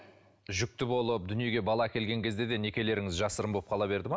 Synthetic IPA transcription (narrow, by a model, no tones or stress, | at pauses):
ʒʏk̚t̪ɪbo̞lˠəp̚d̪ʏnije̞ɡʲe̞bɑlˠɑkʲe̞lɡʲe̞ŋkʲʰe̞zd̪ed̪e̞ne̞kʲe̞le̞ɾɪŋɪzʒɑsəɾəmbolˠəpqɑlˠɑbe̞ɾd̪ɪmɑ